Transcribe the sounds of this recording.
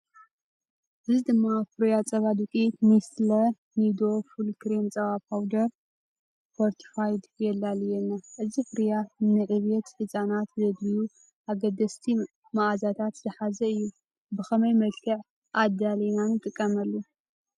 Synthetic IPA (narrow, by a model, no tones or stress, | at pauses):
ʔɨzid̪ɨmːafɨɾjat͡sʼɐβad̪ukʼimislɐ | nid̪o̞fulkɾemt͡sʼɐwapʰawd̪ɐɾ | pʰoɾt̪ʰfajd̪jɛlːaljɛnːaʔɨzifɨɾjanɨʕɨβjɛt̪ħɨt͡sʼanat̪zɐɡ̪liju | ʔaɡɐd̪ɐst̪ʰi | maʔazat̪ʰat̪z̥ɐħazɐɨjːu | bɨxɐmɐjmɐlkʰɨʕ | ʔad̪alinanɨt̪ʼɨkʼːɐmɐlːu